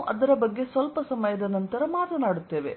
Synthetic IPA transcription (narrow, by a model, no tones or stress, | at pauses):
ʔɐd̪ɐɾɐbɐɡːe̞sʋɐlpɐsɐmɐjɐd̪ɐnɐnt̪ɐɾɐmaːt̪ɐnaːɽut̪ːe̞ːʋe